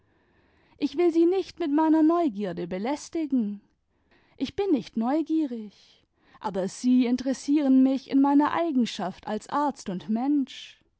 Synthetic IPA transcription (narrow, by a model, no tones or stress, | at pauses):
ʔɪçv̥ɪlziːnɪçtmɪtmaɪnɐnɔʏɡiːɐdəbəlɛstɪɡŋ̩ | ʔɪçb̥ɪnːɪçtnɔʏɡiːʁ̞ɪç | ʔaːbɐz̥iːɪntəʁɛsiːʁ̞ənmɪçɪ̰nmaɪnɐʔa̰ɪɡŋ̩ʃafta̰lsʔaɐt͡stʊntmɛnʃ